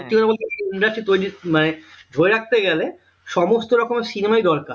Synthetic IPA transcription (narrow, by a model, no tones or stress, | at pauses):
ʈikonaboleuniɖaɾsit̪ojɖimaned͡ʒʱoeɾak̚ʰt̪eɡɛle | ʃɔmost̪oɾɔkomesinemajd̪ɔɾkaɾ